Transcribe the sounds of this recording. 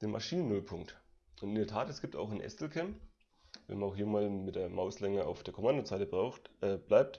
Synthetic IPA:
d̥eːnmʔa̰ʃiːnənʊlpʰʊŋkt | ʔʊntɪndeɐtʰaːtɛsɡ̥iːp̚ta̰ʊxanʔɛ̰stl̩kʰɛmp | vɛ̰nmanaʊxhiːɐmaːlmɪt̚d̥eːɐmaʊslɛŋəa̰ʊfd̥eːɐkʰomandozaɪtəbʁaʊxʔɛːb̥laɪp̚t

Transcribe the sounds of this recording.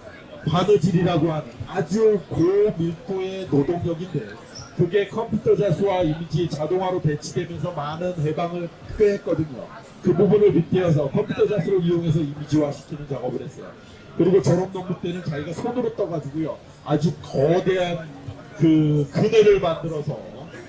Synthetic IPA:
panɯd͡ʑiɾiɾaɡoɦanɯnad͡ʑukomiɭk͈ue̞nodoŋɲʌɡinde̞ | kɯɡe̞kʰʌmpʰutʰʌd͡ʑasʰuwaimid͡ʑiet͡ɕadoŋɦwaɾope̞t͡ɕʰidwe̞mjʌns̬ʰʌmanɯnɦe̞baŋɯɭ | k͈ɯɦet̚k͈ʌdɯɲo̰ | kɯbubunɯɭpitʰiʌs̬ʰʌkʰʌmpʰutʰʌd͡ʑasʰuɾoijoŋe̞s̬ʰʌimid͡ʑiwaɕʰi̥kʰinɯnt͡ɕaɡʌbɯɾɦe̞s͈ʌjo̰ | kɯɾiɡot͡ɕʌɾʌmnʌŋbut͈e̞nɯnt͡ɕaɡiɡasʰonɯɾot͈ʌɡad͡ʑuɡojo | ad͡ʑukʌde̞ɦan | kɯkɯneɾɯɭmandɯɾʌsʰʌ̰

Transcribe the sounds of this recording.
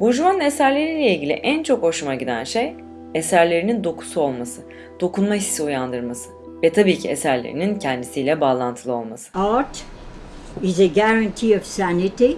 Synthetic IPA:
buʒumanɯne̞sæɾlʲe̞ɾiːlʲɛilʲɟilʲḭʔænt͡ʃʰo̞kho̞ʃumaɟid̪æ̰nʃe̞j | esæɾlʲe̞ɾinind̪o̞kʰu̥suo̞lˠmasɯ | d̪̥o̞kunmaɦissiujand̪ɯɾmasɯ̥ | vɛt̪ʰabiːcʰiesæɾlʲḛɾḭnincʰɛnd̪isiːlʲɛbaːlˠant̪ʰɯlˠɯo̞̰lˠmasɯ̥at | ɪzeɡæɹãntʰiɔv̥sænɪti

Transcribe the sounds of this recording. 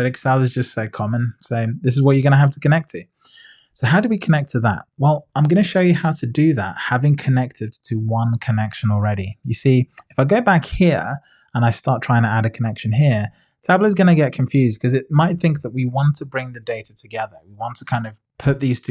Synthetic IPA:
ɛɾɨksalˠɨzd͡ʒʌstsoʊkʰɑmə̃nsoʊðɪs̬ɨzwʌt͡ʃə˞ɡʌñəɦaftʰə̥kʰɨnɛk̚tʰɨ | soʊɦaʊɾəwikʰənɛk̚tʰəðə̰t̚wɛlˠãɪ̃mɡʌnɨʃoʊjɨhaʊɾʰɨdɨðə̰t̚havɪ̃ŋkʰɨnɛk̚tʰɨd̚tʰɨwʌ̃nkʰənɛkʃə̃nl̩ˠɹɛɾijɨsiɨfaɪɡoʊbækhiɹ | ə̃naɪstɑɹtʰɹ̥aɪɪ̃ŋtʰəæɾɨkʰənɛkʃɨ̃nɦiɹ | tʰæbləɨzɡʌnɨɡɛt̚kʰɱfjʉzd̥̚kʰʌzɨt̚maɪt̪̚θɪ̃ŋk̚ðəʔ̚wiwɑ̃ntʰəbɹɪ̃ŋðɨdeɪɾətʰɨɡɛðə˞wiwɑ̃ntʰə̥kʰãɪ̃ndʌv̥pʰʊt̪̚ðiz̥tʰ

